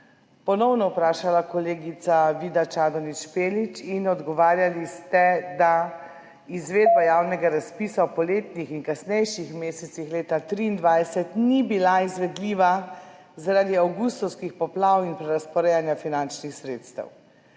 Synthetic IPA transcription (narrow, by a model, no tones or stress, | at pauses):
pɔnɔwnɔwpɾaːʃalakɔleːɡit̪saʋid̪at͡ʃaːd̪ɔnit͡ʃpeːlit͡ʃinɔd̪ɡɔʋaːɾjalist̪ɛd̪a | izʋeːd̪̚bajawnɛɡaɾaspiːsawpɔleːt̪nixinkasnɛjʃixmeːsɛt̪sixleːt̪at̪ɾiːnd̪ʋajsɛt̪nibilaizʋɛd̪liːʋa | zaɾad̪iawɡust̪ɔwskixpɔplawinpɾɛɾaspɔɾɛjanjafinant͡ʃnixsɾeːt̪st̪ə̰w